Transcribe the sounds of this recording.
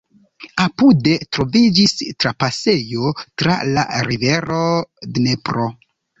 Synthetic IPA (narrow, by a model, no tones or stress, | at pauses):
apude̞tɾo̞vid͡ʒistɾapase̞jo̞tɾa̰la̰ɾive̞ɾo̞dne̞pɾo̞